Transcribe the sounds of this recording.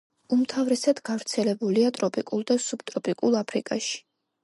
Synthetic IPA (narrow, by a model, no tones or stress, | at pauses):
umt̪ʰavɾɛsad̪ɡavɾt̪sʰɛlɛbuliat̪ʼɾɔpʼikʼulˠd̪asub̥t̪ʼɾɔpʼikʼulˠapʰɾḭkʼaʃi̥